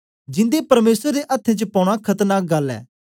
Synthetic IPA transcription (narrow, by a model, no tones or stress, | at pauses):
d͡ʒɪ̃nd̪epɐɾmeːsəɾd̪eʔɐt̪ʰːẽt͡ʃəpɔ̃ːʊɽ̃akʰɐt̪naɡɐlːɛ̰ː